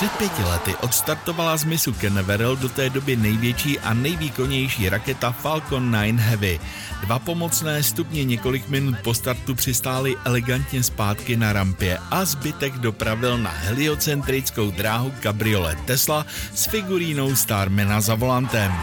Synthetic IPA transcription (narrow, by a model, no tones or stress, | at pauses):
r̥ɛt̪̚pjɛcɪlɛt̪ɪʔo̞t̪st̪aɾt̪o̞valazmɪsukɛnɛvɛɾɛldo̞t̪ɛːdo̞bɪnɛjvjɛt͡ʃiːʔa̰nɛjviːko̞ɲɛjʃiːɾakɛt̪afalko̞nːajnɦɛvɪ | dvapo̞mo̞t͡snɛːst̪upɲɛɲɛko̞lɪkmɪnut̪̚po̞st̪aɾt̪upr̝̥ɪst̪aːlɪʔɛlɛɡant̪ɲɛspaːt̪kɪnaɾampɪjɛʔazbɪt̪ɛɡdo̞pɾavɪlna̰ɦɛlɪo̞t͡sɛnt̪ɾɪt͡sko̞wd̪ɾaːɦuɡabɾɪo̞lɛ̰t̪ɛslasfɪɡuɾiːno̞wst̪aːɾmɛnazavo̞lant̪ɛm